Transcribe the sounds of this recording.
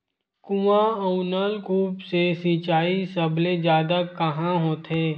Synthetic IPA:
kʊʋãəunalkʰuːpsesit͡ʃaːisɐbled͡ʒjaːd̪akɐɦãɦoːt̪eː

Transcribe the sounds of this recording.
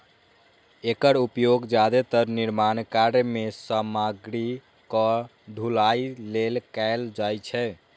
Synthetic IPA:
ekəɾupjoɡd͡ʒad̪et̪əɾniɾmankaɾjmesəmaɡɾi | kɔ | ɖʱulailelkaɪld͡ʒajt͡ʃʰɛ

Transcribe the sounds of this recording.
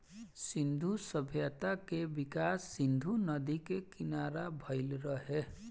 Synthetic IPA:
sind̪ʱusʌbʱjət̪akebikasːind̪ʱunʌd̪ikekinaɾabʱʌjlɾʌɦe

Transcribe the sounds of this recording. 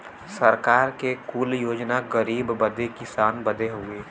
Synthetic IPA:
səɾkaːɾkekuːljoːd͡ʒnaɡəɾiːbbəd̪ekɪsaːnbəd̪eɦoɡeː

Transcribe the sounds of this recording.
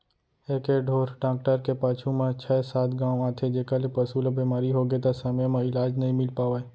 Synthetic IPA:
eːkeɖʱoːɾʈãːk̚ʈəɾkepaːt͡ʃʰumãt͡ʃʰɛsaːt̪ɡãːwaːt̪ʰed͡ʒeːkəlepəsulabiːmaːɾiɦoɡet̪asəməjmãɪlaːd͡ʒnɐɦĩmɪlpaːʋae

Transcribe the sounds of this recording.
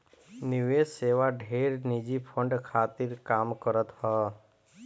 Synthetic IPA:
niʋeseʋaɖʱeɾnid͡ʒipʰəɳɖkʰat̪iɾkamkəɾət̪ɦɔ

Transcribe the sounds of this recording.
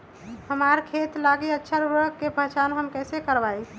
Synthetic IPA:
həmaɾkʰet̪laɡiətːʃʰaɾuɾəkkepət͡ʃanɦəmkɛsekəɾbaj

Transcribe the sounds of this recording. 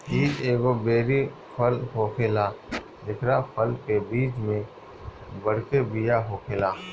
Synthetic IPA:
iːd͡ʒeːɡobeːɾi | pʰəlɦoːkʰeːla | d̪ɪkʰɾapʰəlkebiːt͡ʃmẽ | bɐɽkebijaɦoːkʰeːlaː

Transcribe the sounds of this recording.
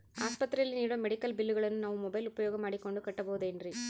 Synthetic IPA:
aːspɐt̪ːɾɐjɐlniːɽɐmːɛɽɪkːɐlbɪlːɯɣɐɭɐnɯnɐʋɯmʊbɐɪlʊpːɐjoːɣɐmaːɽikːɔɳɖɯkɐʈːɐpoːðeːndri

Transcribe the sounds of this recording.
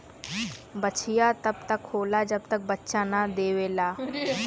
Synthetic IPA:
bət͡ʃʰɪjaːt̪əbt̪əkhoːlaːd͡ʒəb̚t̪ək̚bətːʃaːnãd̪eːʋeːlaː

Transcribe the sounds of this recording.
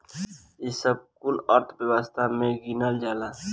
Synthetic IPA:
jesəb̚kʊlɔːɾt̪ʰbəwəst̪ʰamẽɡiːnəld͡ʒaːlaː

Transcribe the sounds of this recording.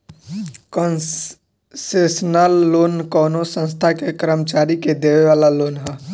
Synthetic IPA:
kən | sesnalːoːnkɔːnosə̃nst̪ʰakekɾəmt͡ʃaːɾiked̪eʋeʋaːlaloːnɦə

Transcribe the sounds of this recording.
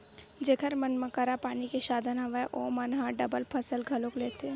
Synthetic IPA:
d͡ʒeːkəɾmɐnməkəɾapaːnikeʃaːd̪ʱənɦɐʋeʔoːmɐnɦãɖɐbəlpʰɐsəlɡʱɐlokleːt̪eɛ̃ː

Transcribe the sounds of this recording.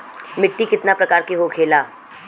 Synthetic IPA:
mɪʈːikɪt̪napɾɐkaːɾkeɦokʰeːlaː

